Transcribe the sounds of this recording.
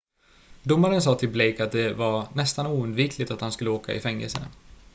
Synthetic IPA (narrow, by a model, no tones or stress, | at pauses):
d̪ʊmːaɾəns̬ɑːt̪ʰɪlblɛjkat̪̚d̪ɛvanɛst̪anuːɵnd̪viːkʰlɪt̪at̪hanskɵlːəoːka̰ʔɪ̰fɛŋːɛ̰lsə̰n